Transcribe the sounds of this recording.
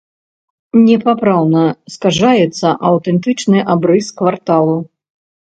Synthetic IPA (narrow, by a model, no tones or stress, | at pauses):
nʲɛpapɾawnɐskaʐajɛt̪sːɐʔɐwt̪ɛnt̪ɨt͡ʂnɨʔabɾɨskvart̪alˠu